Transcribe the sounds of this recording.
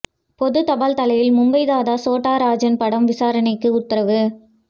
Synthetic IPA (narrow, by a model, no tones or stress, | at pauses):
pɔðɯt̪ɐbaːlt̪ɐlɐjɪlmʊmbɐɪðaːðaːsoːʈːaːɾaːd͡ʒɐnpɐɽɐmʋɪsaːɾɐnɐɪkːɯʊt̪ːɪɾɐʋɯ